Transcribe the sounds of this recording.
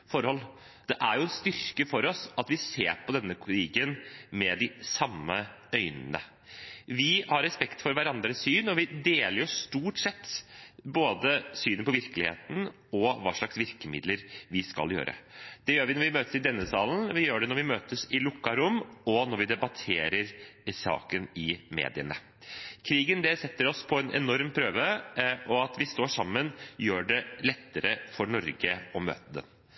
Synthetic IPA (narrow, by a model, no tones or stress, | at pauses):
fɔɾhɔlː | d̪̥ɛʔæɾjʊɛnst̪ʏɾkəfɔɾɔsɑt̪ʋɪseːɾpʰɔd̪ɛnːəɾiːɡənmɛd̪ɪsɑmːə | œʏnənə̰ | ʋɪhɑɾːɛspɛkt̪fɔɾʋæɾɑnd̪ɾəsyːnɔʋɪd̪eːləɾjʊst̪uːʈsɛt̪ːboːd̪əsyːnənpʰɔʋɪɾkəlɪhḛːt̪n̩ | ɔʋɑ̰ːʂɭɑksʋɪɾkəmɪ̰d̪ləɾʋɪskɑ̰ljø̰ːɾʔə̰d̪̥ɛjøːɾʋɪnɔɾʋɪmøːt̪əsɪd̪ɛnːəsɑːln̩ʋɪjøːɖɛnɔɾʋɪmøːt̪əsɪlʊkːɑɾʊmɔnɔɾʋɪd̪ɛbɑt̪ʰeːɾəɾsɑ̰ːkənɪmḛːd̪ɪənə | kʰɾiːɡənd̪ɛsɛt̪ːəɾɔspʰɔɛnʔɛ̰nɔɾmpʰɾøːʋəʔɔɑt̪ʋɪst̪oːʂɑmːənjøːɖɛlɛt̪ːəɾəfɔɾɳɔɾɡəɔmø̰ːt̪əd̪ɛ̰n